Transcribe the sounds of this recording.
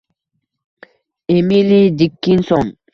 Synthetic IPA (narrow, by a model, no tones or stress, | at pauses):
emilidikːinsɔn